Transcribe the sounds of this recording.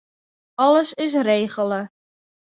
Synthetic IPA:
ɑləsɪs̬rejχələ

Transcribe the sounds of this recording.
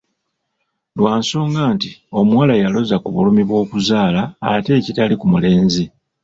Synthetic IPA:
lwaːnso̞ːŋɡaːntio̞mwalajalo̞zakuβulumiβwo̞ːkuzaːla̰ːte̞ːcitalikumule̞ːnzi

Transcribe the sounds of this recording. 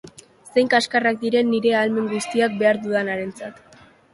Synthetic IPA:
se̞jŋkaskarak̚d̪iɾe̞nːiɾe̞alme̞ŋɡust̪iak̚be̞aɾðuðanaɾe̞nt͡sat̪

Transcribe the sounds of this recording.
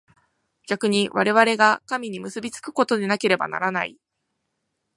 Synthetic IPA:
ɡ̥ʲakɯ̟ɲ̟iβaɾe̞β̞aɾe̞ɡakamʲiɲ̟imɯ̟sɨbʲit͡sɨ̥kɯ̟̥ko̞t̪o̞d̪e̞nake̞ɾe̞ba̰na̰ɾana̰i

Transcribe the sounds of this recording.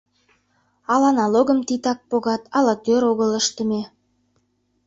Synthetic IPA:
ɑlɑnɑloɣəmt̪it̪ɑk̚poɣɑt̪ɑlɑt̪øɾoɣələʃt̪ə̆me

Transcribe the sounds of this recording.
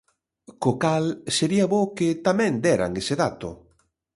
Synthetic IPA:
kokalseɾiaβokɪt̪amɛ̃nd̪ɛɾa̰ŋeseðat̪ʊ̰

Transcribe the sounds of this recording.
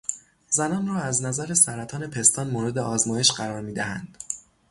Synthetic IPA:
zænɒːnrɒːæznæzæɾesæɾæt̪ʰɒːne̞pʰe̞st̪ʰɒːnmoɾe̞d̪eʔɒːzmɒːjeʃɢæɾɒːɾmiːd̪æhænd̪̥

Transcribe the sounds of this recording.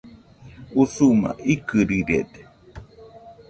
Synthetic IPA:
usuma̰ʔikɨɾiɾḛt̪

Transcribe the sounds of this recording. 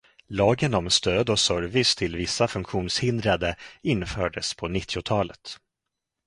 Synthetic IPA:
lɑːɡənɔmst̪øːd̪ɔsœɾvɪst̪ʰɪlvɪsːafɵŋkɧuːnshɪnd̪ɾad̪əɪnːfœːɖəspʰɔnɪt̪ʰːɪʊt̪ʰɑːlət̪

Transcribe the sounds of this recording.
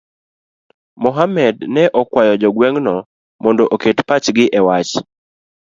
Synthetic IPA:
mɔɦamɛdnɛʔɔkwajɔd͡ʒɔɡwɛŋnɔ | mɔndɔʔoketpat͡ʃɡɪʔɛwat͡ʃ

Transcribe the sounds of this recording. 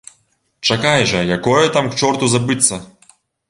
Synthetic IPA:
t͡ʂɐkajʐɐjakɔjɐt̪amkt͡ʂɔrt̪uzabɨt̪sːɐ

